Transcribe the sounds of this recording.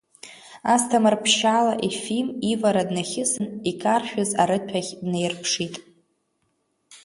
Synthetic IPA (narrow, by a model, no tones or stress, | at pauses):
astʰamarpʰʃalaʔifilmivaɾadnaχʲɪsɨnikʰʼarʃᶣʊzaɾɨtʰaɣʲdnejrpʰʂitʼ